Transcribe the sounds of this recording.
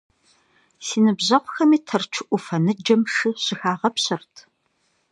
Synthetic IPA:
siːnɨbʑɐqʷxɐmiːtʰɐrt͡ʃʷʰʊʔʷʊfɐnɨd͡ʒɐmʂɨɕɪxaːʁɐpɕɨrtʰ

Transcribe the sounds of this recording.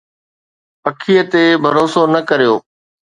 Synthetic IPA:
pɐkʰijət̪ebʱɐɾoːsonɐkɐɾijoː

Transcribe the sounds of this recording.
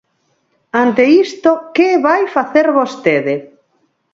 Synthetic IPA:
ant̪eist̪okeβajfaθeɾβost̪eðe

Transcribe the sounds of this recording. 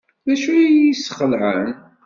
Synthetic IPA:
ðæʃujisχəlʕən

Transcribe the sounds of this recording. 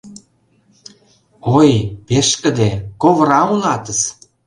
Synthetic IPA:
ojpeʃkə̆d̪ekoβɾɑunɑt̪ə̆s

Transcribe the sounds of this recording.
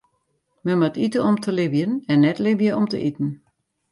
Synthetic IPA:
məmatitəɔmtʰəlɪbjənɛnːɛtlɪbjəʔɔmtə̰ʔitn̩

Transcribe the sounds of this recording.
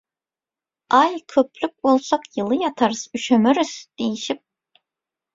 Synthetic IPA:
ajkʲʰøpʰlʲyk̚ʲolˠsakjɯlˠɯjat̪ʰaɾɯzyʃɛmɛɾisd̪̥ejiʃip̚

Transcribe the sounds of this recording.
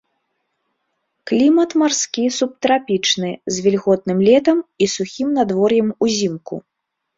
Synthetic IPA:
klʲimɐt̪marskʲisup̚t̪ɾapʲit͡ʂnɨzʲvʲilʲɣɔt̪̚nɨmlʲɛt̪ɐmisuxʲimnad̪vɔrjɛmuzʲimkṵ

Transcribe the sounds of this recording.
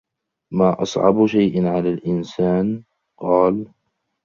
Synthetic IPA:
maːʔɑ̰sˤʕɑ̰bʃajʔɪnʕalaːlʔɪnsaːn | qɑːl

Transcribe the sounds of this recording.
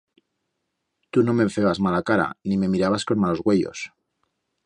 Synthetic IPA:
t̪uno̞me̞ɱfe̞ɣazmalakaɾa̰nime̞miɾaβasko̞nmalo̞zɣwe̞ʝo̞̰s

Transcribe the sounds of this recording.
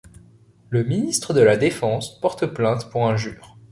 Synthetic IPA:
ləminist̪χəd̪əlad̪efɑ̃spɔʁt̪plɛ̃t̪puʁɛ̃ʒy̰ːʁ

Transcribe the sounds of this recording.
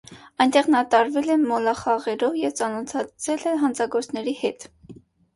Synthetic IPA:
ɑjnt̪ɛʁnɑt̪ɑɾvɛlɛmɔlɑχɑʁɛɾɔvjɛvt͡sɑnɔt̪ʰɑt͡sʰɛlɛɦɑnt͡sʰɑɡɔɾt͡sʰnɛɾihɛt̪

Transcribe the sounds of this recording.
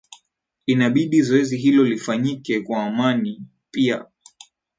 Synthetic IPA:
inaɓiɗizɔɛziɦilɔlifaɲikɛkwaːmani | pia̰

